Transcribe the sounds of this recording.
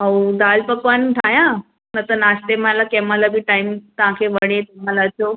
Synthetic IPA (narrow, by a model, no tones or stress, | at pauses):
aud̪aːlpəkʋant̪ʰajã | nət̪ənast̪eməlakɛmalabiʈaimt̪əʋ̤ãkʰeʋəɽ̃et̪emãlaət͡ɕo